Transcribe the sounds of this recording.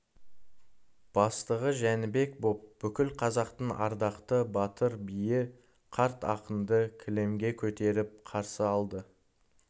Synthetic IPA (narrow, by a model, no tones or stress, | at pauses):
b̥ɑst̪əʁəʒænɪbe̞kbo̞p̚b̥ʏkʲɪlqʰɑzɑqt̪əɴɑ̰ɾd̪ɑqt̪əbɑt̪əɾbijɪ | qʰɑɾt̪ɑ̰qənd̪əkʲʰɪle̞mɡʲe̞kʲʰɵt̪e̞ɾɪp̚qʰɑɾsəɑlˠd̪ə